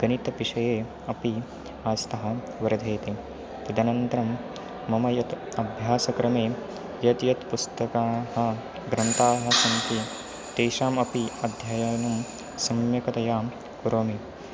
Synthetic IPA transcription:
ɡ̥ɐnit̪ɐpiʂɐjeː | ɐpi | aːst̪ɐɦɐ̆ | ʋɐɾɐd̪ʱeːt̪e | t̪ɐd̪ɐnɐnt̪ɐɾɐmː | ɐmɐjɐt̪ | ɐbʱjaːsɐkɾɐmeː | jɐt̪jɐt̪pust̪ɐkaːɦɐ̆ | ɡɾɐnt̪aːɦɐ̆sɐnt̪i | t̪eːʃaːmɐpiɐd̪ʱjajɐjɐnɐm | sɐmjɐkɐt̪ɐjaː | kuɾoːmi

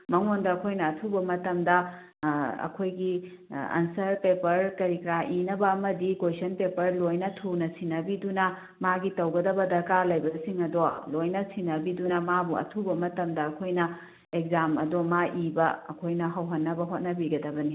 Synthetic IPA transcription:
mɐŋondɐːkʰojnɐːtʰubɐmɐtɐmdɐ | ɐ̰kʰojɡi | ɐ̰nsɐɾpepɐɾkɐɾikɾaʔinɐbɐːmɐdikojsɐnpepɐɾlojnɐtʰunɐsinɐbidunɐ | maɡitɐwɡɐdɐbɐdɐkalɐjbɐsiŋɐdolojnɐsʰinɐbidunɐmabuɐ̰tʰubɐmɐtɐmdɐɐkʰojnɐ | ek̚zamɐ̰domaʔibɐɐ̰kʰojnɐɦɐwɦɐnːɐbɐɦot̚nɐbiɡɐdɐbɐni

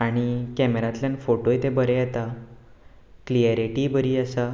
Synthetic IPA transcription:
aɽ̃ikɛmeɾãt̪ljanfoʈojt̪ebəɾẽjɛt̪a | kliəɾiʈibəɾiːəsa

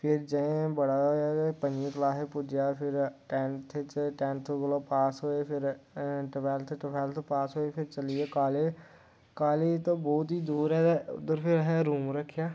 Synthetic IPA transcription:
pʰɪɾd͡ʒɛ̃bəɽaoapənẽklaːɦepʊd͡ʒjaːpʰɪɾʈɛ̃ːnt̪ʰet͡ʃʈɛːnt̪ʰoɡəlõːpaːsɦoːeːpʰɪɾʈəpʰɛːlt̪ʰeʈəpʰɛːlt̪ʰopaːsɦoːepʰɪɾt͡ʃəlieːkaːleː | kaːleːt̪õːbɔːt̪ɦiːd̪uːɾɦɛːʊ̰d̪əɾpʰɪɾɦɛɾuːmɾəkʰːjaː

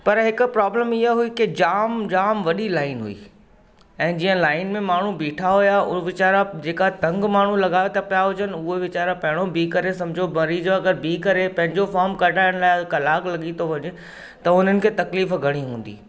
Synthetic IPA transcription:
pɐɾɦɪkʊ̆pɾaːbləmɪɦaɦuikɪd͡ʑaːmd͡ʑaːmʋɐɗilaːɪnɦṵḭː | ɛ̃ːd͡ʑiːə̃laːɪnmẽmaːɳ̤ubiːʈʰaɦʊjaʊʋɪt͡ɕaːɾad͡ʑeːkaɦet̪ɐ̃ŋɡmaːɳ̤ulɐɡaːʋot̪ʰapjaɦʊd͡ʑənʊɦeʋɪt͡ɕaːɾapɐ̃ɦɪɽ̃obiːkɐɾesɐ̃md͡ʑʱobɐɾiːd͡ʑoɐɡəɾbiːkɐɾepɐ̃ɦɪ̃ɲd͡ʑofaːɾmkɐʈaːɪəɽ̃laːɪkɐlaːklɐɠit̪ʰoʋɐɲe | t̪ɐʊn̤ənɪ̆kʰeːt̪ɐkliːfɡʱɐɽ̃iɦũːn̆d̪ḭː

